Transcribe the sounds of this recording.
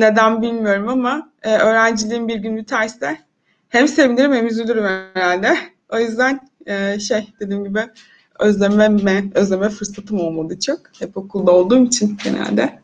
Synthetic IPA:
ne̞d̪ænbilʲmijo̞ɾumama | ɯːʔø̞ːɾænd͡ʒilʲiːimbiɾɟynlʲyt̪ʰæɾst̪ɛ | hæmse̞vinʲiɾimhemizʲylʲyɾymheeɾalʲd̪ɛ | o̞jyzd̪æn | ɯːʃejd̪̥ed̪iːmɟibɪ | øzlʲemɛmɛøzlʲe̞mɛfɯɾsat̪ʰɯmolˠmad̪ˠɯt͡ʃʰakhɛpo̞kʰulˠd̪ao̞lˠd̪uːmit͡ʃʰinɟenæ̰lʲd̪ɛ

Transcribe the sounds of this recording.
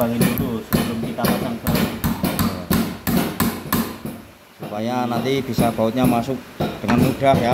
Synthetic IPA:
aŋinit̪usəbəlʊmkit̪apat̪anpəɾat | supajanant̪ib̥isab̥aʊt̪̚ɲamasʊk̚d̥əŋanːuɖ̥ahja

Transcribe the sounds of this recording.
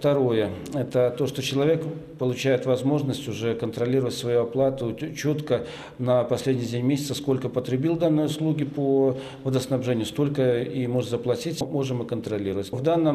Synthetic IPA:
ft̪ɐɾo̞jə | ɛt̪ət̪o̞ʂt̪ot͡ɕɪlˠɐvʲe̞kpəlˠʊt͡ɕæjɪt̪vɐzmo̞ʐnəsʲtʲʊʐɛkənt̪ɾɐlʲiɾəvətʲsvɐjuɐplˠat̪ʊt͡ɕo̞t̪kə | nəpɐsʲlʲedʲnʲɪjdʲenʲmʲesʲɪt̪səsko̞lʲkəpət̪ɾʲɪbʲilˠd̪anːəjʊslˠuɡʲɪpo | vəd̪əsnɐbʐɛnʲɪjʊst̪olʲkəimo̞ʐɨt̪zəplˠɐtʲitʲmo̞ʐɨmɨkənt̪ɾɐlʲiɾəvətʲvd̪anːəm

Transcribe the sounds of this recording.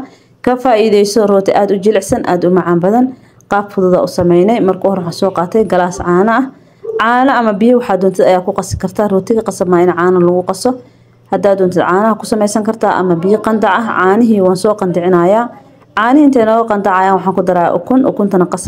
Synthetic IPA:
kʰɐfaːʔiːðɛjsɔrɔːt̪ʰɪʔaːd̪ʊt͡ʃɪlɛʕsɐnʔa̰ːd̪ʊmɑʕaːmbɐðɐn | qɑːbfʊðʊðɐ̰ʔʊsɐmɛjnɛjmɐrkʰʊhɔɾwħaːsɔːqɑːt̪ʰɛjɡɐlaːsʕɑːnɐɐh | ʕɑːnɐɐmɐbɪjɪwɑħaːd̪ɔːnt̪ʰɪd̪ɐjaːkʰʊqɑsɪ̥kʰɐrt̪ʰaːrɔːt̪ʰɪɣɐqɑsɐbmaːɪnʕaːnɐlɐɣʊqɑsɔ | hɐd̪aːd̪ːɔːnt̪ʰɪd̪ʕaːnɐɦɐkʰʊ̥sɐmɛjsɐŋkʰɐrt̪ʰaːʔɐ̰mɐbɪjɪqɑnd̪ɑʕɐɦʕɑːnɪɦiːwɑːnsɔːqɑnd̪ɪʕɪnɐːjaː | ʕɑːnɪɪnt̪ʰɛːnɔːɣɐqɑnd̪ɑʕɑjaːnwɑħɑːŋkʰʊd̪ɐɾa̰ːʔʊ̰kʰʊnʔɔ̰kʰʊnt̪ʰɐnɐqɑs

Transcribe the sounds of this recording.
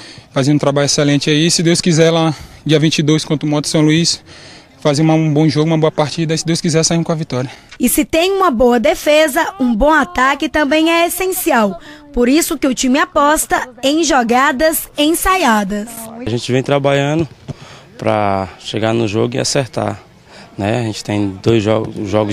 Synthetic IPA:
fazẽũt̪ɾabaʎʊɛsɛlẽnt͡ʃɪaisɪd̪ewskizɛlad͡ʒiɐvĩt͡ʃid̪ojskõt̪ɾʊmɔt̪ʊ̥sɐ̃w̃luis | fazeũmɐ̃bõʒoɡʊumɐboɐpaɾt͡ʃid̪ɐsɪd̪ewskizɛsainkõɐvit̪ɔɾiɐɪsɪt̪ẽj̃ũmɐboɐd̪efezɐũbõw̃at̪akɪt̪ɐ̃mbẽj̃ɛesẽsiawpoɾisʊkɪʊt͡ʃĩmɪapɔst̪ɐẽj̃ʒɔɡad̪ɐzẽj̃sajad̪ɐsʒẽnt͡ʃɪvẽj̃t̪ɾabaʎɐ̃nd̪ʊ | pɾɐ̰a̰ʃeɡanʊʒoɡʊɪ̰a̰seɾt̪a̰ɾ | nɛaʒẽnt͡ʃɪ̥t̪ẽj̃d̪ojzʒɔɡ̰ʒɔɡʊ

